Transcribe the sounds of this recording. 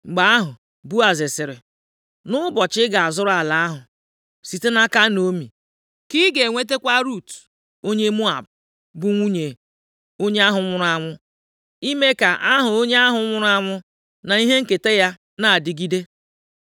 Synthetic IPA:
ŋ͡m̩˨ɡ͡ba˨a˦ɦʊ˨ | bu˦a˨zɪ˨sɪ˨ɾɪ̰˨ | nʊ˦bɔ˨t͡ʃɪ˦ɡa˨a˨zʊ˦ɾa˨la˨a˦ɦʊ˨ | si˨te˦na˦ka˦no˦mi˨ | ki˦ɡe˨ŋʷe˦t̬e˦kʷa˦ɾu˦˨t | o˦ɲe˦mu˦a̰˨b | bʊ˦ŋʷu˦ɲe˨ | o˦ɲe˦a˦ɦʊ˨˦ŋʷʊ˦ɾʊ˦a˦ŋʷʊ˦ | i˦me˦ka˨ʔa˦ɦʊ˨o˦ɲe˦a˦ɦʊ˨˦ŋʷʊ˦ɾʊ˦a˦ŋʷʊ˦ | na˨i˦ɦe˦ŋ̩˦ke˨te˦ja˦ | na˨a˨dɪ˦ɡi˦de˦

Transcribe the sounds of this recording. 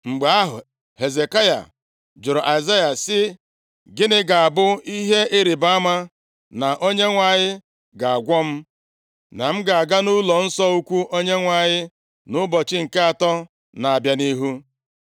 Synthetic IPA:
ŋ͡m̩˨ɡ͡ba˨a˦ɦʊ˨ | he˨ze˨ka˦ja̰˨ | d͡ʒʊ˨ɾɔ˨ʔa˨za˦ja˨sɪ˦ | ɡɪ˦nɪ˦ɡa˨a˨bʊ˦i˦ɦe˦ʔɪ˦ɾi˨ba˦a˦ma˦ | na˨ʔo˦ɲe˦ŋʷa˨ɲɪ˦ | ɡa˨a˨ɡʷɔ˦m̩˦ | na˨m̩˦ɡa˨a˨ɡa˦nu˦lɔ˨n̩˦sɔ˦u˦kʷu˦ʔo˦ɲe˦ŋʷa˨ɲɪ˦ | nʊ˦bɔ˨t͡ʃɪ˦ŋ̩˨ke˦a˨tɔ˦ | na˨a˨bja˦ni˦ɦu˦

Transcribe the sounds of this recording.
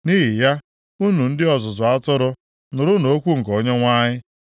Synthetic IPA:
ni˦ɦi˨ja˦ | u˦nu˨n̩˦dɪ˦ɔ˨zʊ˨zʊ˨a˦tʊ˦ɾʊ˦ | nʊ˨ɾʊ˦no˨˦kʷu˦ŋ̩˨ko˨ɲe˦ŋʷa˦ɲɪ˦

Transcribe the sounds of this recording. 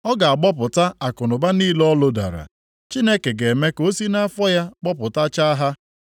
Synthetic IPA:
ɔ˦ɡa˨a˨ɡ͡bɔ˦p̬ʊ˨ta˦a˨kʊ˨nʊ˨ba˦niː˦lɔ˦lo˦da̰˨ɾa̰˨ | t͡ʃi˦ne˦ke˨ɡe˨me˦ko˦si˦na˦fɔ˦ja˦ɡ͡bɔ˦pʊ˨ta˦t͡ʃa˦ɦa˦

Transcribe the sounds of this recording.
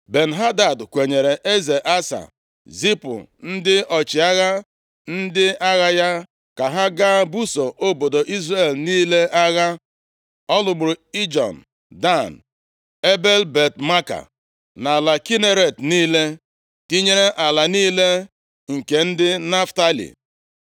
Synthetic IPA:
be˨n̩˨ɦa˦da˨dkʷe˨ɲe˨ɾe˨ʔe˦ze˨ʔa˦sa̰˨ | zi˦pʊ̰˨n̩˦dɪ˦ʔɔ˨t͡ʃɪ˨a˦ɣa˦ | n̩˦dɪ˦a˦ɣa˦ja˦ | ka˨ɦa˦ɡa˦bu˦so˨ʔo˦bo˨do˨ʔi˦zra˦˨e˨lniː˦le˦ʔa˦ɣa˦ | ɔ˦lʊ˨ɡ͡bʊ˨ɾʊ˨i˦d͡ʒɔ̰˨n̩˨ | da˦˨n˨ | e˦be˦lbe˨tma˦ka̰˨ | na˨la˨ki˦ne˦ɾe˨tniː˦le˦ | ti˦ɲe˦ɾe˦ʔa˨la˨niː˦le˦ | ŋ̩˨ke˨n̩˦dɪ˦na˦fta˦lḭ˨

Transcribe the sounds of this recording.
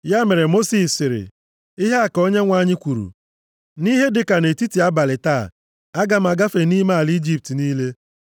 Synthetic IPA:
ja˦me˨ɾe˨mo˦si˨sɪ˨ɾɪ̰˨ | i˦ɦe˦a˨ko˦ɲe˦ŋʷa˦ɲɪ˦kʷu˨ɾṵ˨ | ni˦ɦe˦dɪ˨ka˨ne˨ti˦ti˨a˦ba˨lɪ˨ta̰ː˦˨ | a˦ɡa˨m̩˦a˨ɡa˦fe˨ni˦ma˦a˨li˦d͡ʒi˦p̚ti˨niː˦le˦

